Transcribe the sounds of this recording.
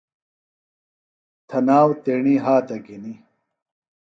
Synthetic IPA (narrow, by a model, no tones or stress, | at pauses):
t̪ʰɐnaːwt̪eːɳiɦaːt̪ɐɡini